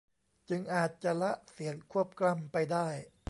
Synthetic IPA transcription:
t͡ɕɯ˧ŋʔaː˨˩t̪̚t͡ɕa˨˩la˦˥ʔsi˩˦ənkʰu˥˩əp̚kla˥˩˨mpa˧jdaː˥˩j

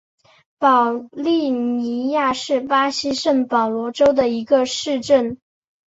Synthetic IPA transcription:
pɑ˨˩ʊli˥˩ni˧˥ja˥˧ʂɻ̩˥˩pa˥ɕi˥ʂə˥˩npɑ˨˩ʊlwɔ˧˥ʈ͡ʂo˥ʊd̪ə˨i˧˥ɡə˧ʂɻ̩˥˧ʈ͡ʂə˥˩n

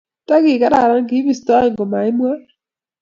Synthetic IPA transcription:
ta˦kɪ˨ka˦ɾa˨ɾa˦ŋɡi˦βi˦sta˦ɛ˦˨ŋɡɔ˨ma˨i˦mwa˦

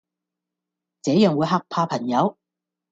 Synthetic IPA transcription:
t͡sɛː˨˥jœː˨˧ŋwu˨˧˥jɦaː˧k̚pʰaː˧pʰɐ˨˩ŋjɐ˨˧w

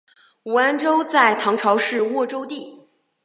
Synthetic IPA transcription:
u˨˩a˥nʈ͡ʂo˥ʊt͡sa˥˩ɪt̪ʰɑ˧˥ŋʈ͡ʂʰɑ˧˥ʊʂɻ̩˥˧wɔ˥˩ʈ͡ʂo˥ʊt̪i˥˩

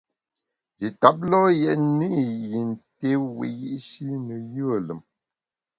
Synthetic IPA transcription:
d͡ʒi˨ta˦p̚lɔ˦jɛ˨ʔni˦˨ji˨n˨te˦wḭ˨ji˦ʔʃi˦nə˨jə˦ə˦˨lə˨m

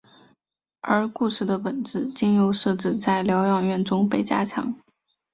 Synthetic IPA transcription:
ə˞˧˥ku˥˧ʂɻ̩˥˩d̪ə˩pə˨˩nt͡sɹ̩˥˩t͡ɕi˥˩njo˧ʊʂɤ˥˧ʈ͡ʂɻ̩˥˧t͡sa˥˩ɪljɑ˧˥ʊjɑ˨˩ŋɥɛ˥˩nʈ͡ʂʊ˥ŋpe˨˩ɪt͡ɕja̰˥t͡ɕʰjɑ̰˧˥ŋ

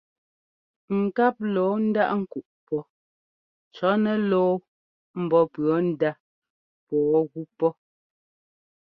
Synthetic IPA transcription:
ŋ̩˨ka˦p̚lɔː˨˦n̩˦da˦ʔŋ̩˦ku˨ʔpɔ˦ | t͡ʃɔ˨˦nɛ˨lɔː˦ | m̩˨bɔ˦pɰɔ˨˦n̩˦da˦ | pɔː˨˦ɣu˦pɔ˦

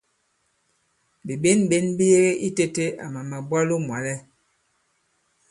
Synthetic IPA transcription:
bi˨ɓe˦nɓe˦nbi˦je˦ɣe˦ʔi˦te˦te˦a̰˨ma˨ma˨ba˦lo˦mwa˨lɛ˦

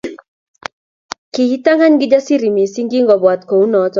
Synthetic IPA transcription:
kihi˦t̪a˦ŋɡa˦ɲɡi˦d͡ʒa˦si˦ɾi˨mi˨si˦ŋɡi˦ŋɡɔ˨bwa˨t̪̚kɔ˨u˦nɔ˨˦tɔ

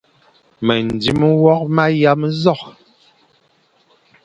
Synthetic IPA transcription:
mɛ˨n˨di˦m˦wɔ˦k̚ma˦ja˦mzɔ˦˨k̚

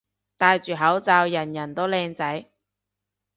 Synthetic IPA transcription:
t̪aː˧jt͡ʃyː˨ɦɐ˨˥wt͡saː˧wjɐ˨˩njɐ˨˩nt̪o˥lɛː˧ŋt͡sɐ˨˥j

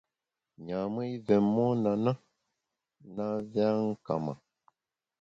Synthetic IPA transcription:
ɲa˨mə˦i˦vɛ˨mmːɔ˦na˨na˦ | na˦vja˦ŋ̩˦ka̰˨ma̰˨

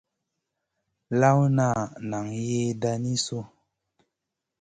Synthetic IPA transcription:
la˦wna˦˨na˨ŋje˦da˧ni˦so˦

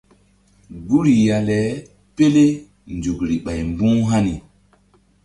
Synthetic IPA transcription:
ɡu˦ɾi˨ja˨lɛ˨˦ | pe˦le˦ | nd͡ʒu˨kɾi˨ɓa˨jmbũ˦ɦa˦ni˨

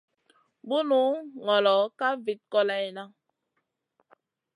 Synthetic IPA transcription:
bu˦nu˦ŋɔ˨lɔ˨˦ka˦vi˨t̚kɔ˦la˦i˦na˦

